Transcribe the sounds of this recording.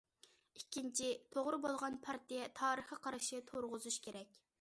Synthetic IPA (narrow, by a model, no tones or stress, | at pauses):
ikʲːint͡ʃʰit̪ʰoʁɾɨbolˠʁɑnpʰɑɾt̪ʰijɛt̪ʰɑːɾəχəqʰɑɾɨʃɪt̪ʰoɾʁʊzuʃkʲʰeɾɛk̚ʲ